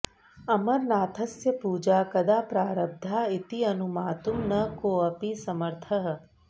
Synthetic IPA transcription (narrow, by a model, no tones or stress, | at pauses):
ɐmɐɾnaːt̪ʰɐsjɐpuːd͡ʒaːkɐd̪aːpɾaːɾɐb̚d̪ʱaːit̪iɐnumaːt̪umnɐkoːɐpisɐmɐɾt̪ʰɐɦɐ̆